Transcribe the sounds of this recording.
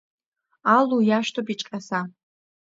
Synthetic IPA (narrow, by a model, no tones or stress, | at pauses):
alujaʃtʰopit͡ʃʼqʲʼasa